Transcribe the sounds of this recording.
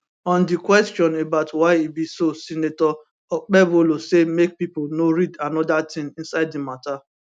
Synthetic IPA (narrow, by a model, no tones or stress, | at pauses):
ɔ̃ndikwɛstjɔ̃nebaʊtwaɪibisosinetɔ | ɔk͡pɛbolosemek̚pipolnoɾidanɔdatɪ̃ŋĩn̩saɪddimata